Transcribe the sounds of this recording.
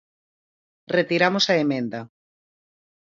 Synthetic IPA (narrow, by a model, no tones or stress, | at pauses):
ret̪iɾamosaemẽnd̪ɐ